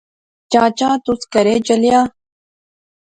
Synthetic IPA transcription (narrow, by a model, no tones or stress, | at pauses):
t͡ʃaːt͡ʃãːt̪uskɐɾeːd͡ʒɐljaː